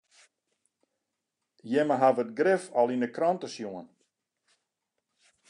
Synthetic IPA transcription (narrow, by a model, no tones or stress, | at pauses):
jɛməɦavətɡrɪfɔlˠinəkrɔntəsjuən